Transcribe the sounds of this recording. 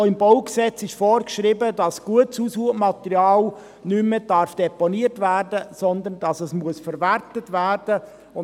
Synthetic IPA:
ɪmboʊksɛt͡sɪʃfɔːɾkʃɾɪbədɑsɡ̥uətt͡suːsuːəmɑtəɾjɑːl | nyməd̥ɑɾfd̥ɛpɔniəɾtvæːɾdəsɔnd̪əndɑsəsmuəsfəɾvæɾtətvæːɾd̥ə | ʊ

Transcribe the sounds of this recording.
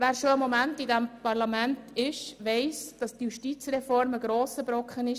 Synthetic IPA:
ʋæːɾʃoəmomæntidæmpɑɾlɑmæntʰɪʃʋɛɪsd̥ɑsd̥juʃtiːt͡sɾɛfɔɾməɡɾoːsəbɾɔkχənɪʃ

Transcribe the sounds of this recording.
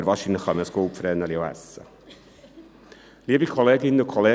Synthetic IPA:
ɾvɔʃɪnəχəməskoːpfɾɛːnəliowɛ̰sə̰ | liəvikʰɔlɛːɡɪnəkʰɔle

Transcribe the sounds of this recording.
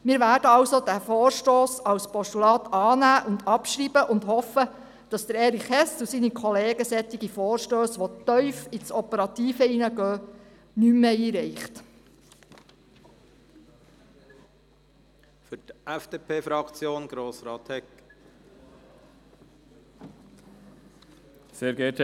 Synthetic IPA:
miːɾʋæːɾdəɑwsod̥æfoːɾʃtoːsɑwspɔstulɑːt̪ɑːnæːʔʊndɑpʃriːbəʔʊndhɔfə | d̥ɑsd̪əɾɛːɾiχɛstusinikʰɔleːɡəsɛt̪ːiɡ̥ifɔːɾʃtøːsʋɔt̪œʏfit͡sɔpəɾɑt̪iːfəinəɡœː | nymːeiːɾɛɪχt | fʏtɛfd̥eːpʰeːfɾɑkt͡sjoːnɡ̥ɾoːsɾɑːt̪hɛk | seːɾɡɛt

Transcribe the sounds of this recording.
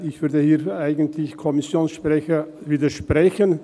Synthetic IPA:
ɪçv̥ʏɐdəhiːɐaɪɡəntlɪçkʰɔmɪsjoːnsʃpʁ̥ɛçəviːdɐʃpʁ̥ɛçən

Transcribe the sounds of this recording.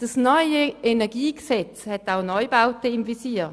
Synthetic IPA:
d̥asnɔʏəenɛɐɡiːɡ̥əsɛt͡shɛtaʊnɔʏjbaʊtəɪmvisiː

